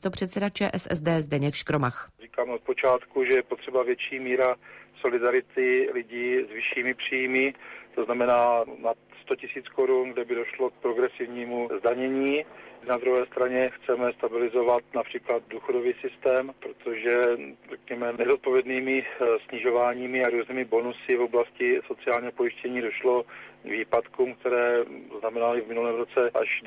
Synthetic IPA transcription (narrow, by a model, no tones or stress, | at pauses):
st̪o̞pr̝̥ɛt̪sɛdat͡ʃɛ̰ːʔɛsɛ̰zdɛːzdɛɲɛkʃkɾomaxriːkaːmot̪̚po̞t͡ʃaːt̪kuʒɛjɛpot̪r̝̥ɛbavjɛt͡ʃiːmiːɾaso̞lɪdaɾɪt̪ɪlɪɟiːzvɪʃiːmɪpr̝̥iːjmɪt̪o̞znamɛnaːnat̪st̪o̞cɪsiːt͡skoɾunɡdɛbɪdo̞ʃlo̞k̚pɾo̞ɡɾɛsɪvɲiːmuzdaɲɛɲiːnad̪ɾuɦɛːst̪ɾaɲɛxt͡sɛmɛst̪abɪlɪzo̞vat̪napr̝̥iːklad̪̚duːxo̞do̞viːsɪst̪ɛːmpɾo̞t̪o̞ʒɛr̥ɛkɲɛmɛnɛzot̪̚po̞vjɛdniːmɪsɲɪʒo̞vaːɲiːmɪaɾuːzniːmɪbo̞nusɪvoblascɪso̞t͡sɪaːlɲiːɦopo̞jɪʃcɛɲiːdo̞ʃlo̞viːpat̪kuːmk̚t̪ɛɾɛːznamɛnalɪvmɪnulɛːmɾot͡sɛʔa̰ʃ